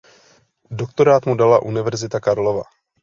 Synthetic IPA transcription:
dok̚t̪o̞ɾaːt̪mudalaʔunɪvɛɾzɪt̪akaɾlo̞va̰

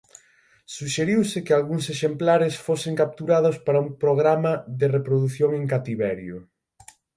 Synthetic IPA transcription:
suʃeɾiwsɪkɪalɣuŋseʃemplaɾɪsfoseŋkap̚t̪uɾaðʊspaɾɐumpɾoɣ̞ɾamɐðɪrepɾoðuθjoŋeŋkat̪iβɛɾjʊ

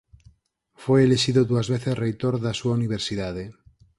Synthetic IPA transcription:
fwejeleʃiðoðuazβeθesrejt̪oɾðasuauniβ̞eɾsiðað̞e

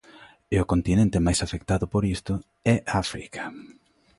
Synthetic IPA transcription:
ɪʊkont̪inẽnt̪ɪmajsafek̚t̪aðʊpoɾist̪ʊ | ɛʔafɾikʰḁ

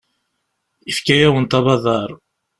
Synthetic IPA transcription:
ifkæjæwənt̪ɑβɑðˤɑɾˤ

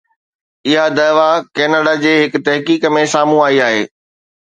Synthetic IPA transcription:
ɪɦad̪ɐːʋakɛːnəɖad͡ʑeːɦɪkʊ̆t̪ɐɦkiːkəmẽsaːmũaːiaːɦeː

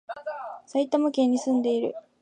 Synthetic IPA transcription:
sait̪amɯ̟kẽ̞ɲ̟ːisɨ̃nd̪e̞iɾɯ̟̰

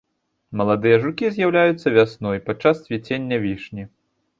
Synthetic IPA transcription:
mɐlˠad̪ɨjɐʐukʲizʲjawlʲajut̪sːɐvʲasnɔjpat͡ʂːassʲvʲit͡sʲenʲːɐvʲiʂnʲi

